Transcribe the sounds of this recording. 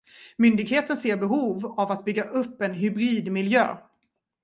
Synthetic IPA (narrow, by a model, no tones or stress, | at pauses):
mʏnd̪ɪɡheːt̪ənseːɾbɛɦuːvavat̪̚bʏɡːaʔɵpːɛnɦʏbɾiːd̪mɪljø̰ː